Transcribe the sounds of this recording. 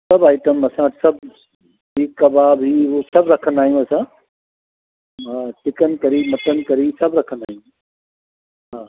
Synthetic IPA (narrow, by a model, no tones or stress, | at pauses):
sɐbaːɪʈəmɐsãsɐbʱ | bʱikɐbʱabʱiɦosɐbɾɐkʰə̃nd̪aːɦijũɐsã | aʈɪkənɪ̆kɐɾimɐt̪ənɪ̆kɐɾisɐbʱɾɐkʰə̃nd̪a̰ːɦijũ | ɦaː